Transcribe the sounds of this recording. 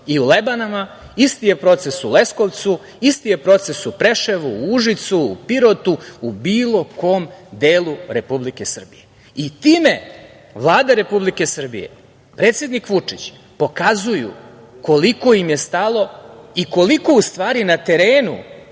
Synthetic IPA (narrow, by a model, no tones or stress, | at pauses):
iulebanama | ist̪ijepɾo̞t̪sesule̞sko̞ʋt̪su | ist̪ije̞pɾo̞t̪se̞supɾeʃe̞ʋuuʒit̪suːpiɾot̪uubiːlˠo̞ko̞ːmd̪eːlˠuɾe̞publike̞sr̩bḭje | it̪iːme̞ | ʋlˠaːd̪aɾe̞publike̞sr̩bḭje̞̰ | pɾeːt̪sje̞d̪nikʋut͡ʂit͡ɕ | po̞kazujṵ | ko̞liko̞jimje̞st̪alˠo̞iko̞liko̞ust̪ʋaːɾinat̪e̞ɾeːnṵ